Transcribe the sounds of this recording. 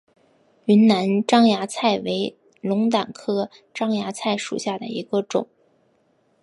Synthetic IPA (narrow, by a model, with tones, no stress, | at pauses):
y˧˥nna˧˥nʈ͡ʂɑ˥ŋja˧˥t͡sʰa˥˩ɪwe˧˥ɪ | lʊ˧˥ŋt̪a˨˩nkʰɤ˥ | ʈ͡ʂɑ˥ŋja˧˥t͡sʰa˥˩ɪʂṵ˨˩ɕja˥˩d̪ə̰˩i˧˥ɡə˧ʈ͡ʂʊ̰˨˩˦ŋ